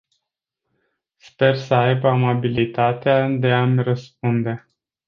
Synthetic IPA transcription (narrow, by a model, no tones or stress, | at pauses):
spe̞rsəajbamabilit̪at̪ead̪e̞amʲrəsp̚und̪e̞